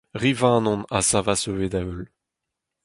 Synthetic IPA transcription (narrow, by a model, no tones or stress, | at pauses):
ʁivãnɔ̃nasavasøved̪aøl